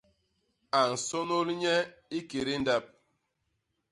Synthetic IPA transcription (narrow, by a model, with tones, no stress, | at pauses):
a˨n̩˨so˦no˦lɲɛ˦i˦ke˨ɾi˦n̩˦da˦p̚